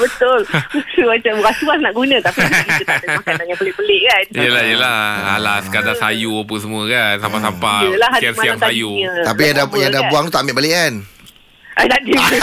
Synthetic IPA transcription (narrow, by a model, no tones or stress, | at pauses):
bət̪ʊlusəmat͡ʃakasuasnaʔɡunãt̪apiaaət̪adəmakanaɲabəlɪʔbəlɪʔkanəlahijəlaha̰laskadaajuapunsəmuəkansamasampajəlahɛsiasajuət̪apijadajadabuaŋt̪ut̪aʔmbɪʔbaleʔkan | ʔad̪adi